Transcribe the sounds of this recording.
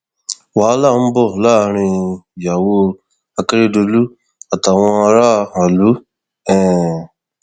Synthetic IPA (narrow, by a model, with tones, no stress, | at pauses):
wa˨˦la˦˨˦m̩˦bɔ˦˨la˦˨ɾ̃ĩ˧ja˨wo˦ | a˨kɾe˦do˧lu˦ | a˨t̪a˨wã˦˧ɾa˦a˨lu˦ | ɛ̃˨